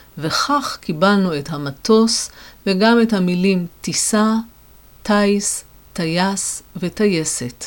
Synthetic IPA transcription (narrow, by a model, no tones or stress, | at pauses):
ve̞χaχkibalnuethamato̞sveɡame̞thamilimtisa | tajs | tajasvetajese̞t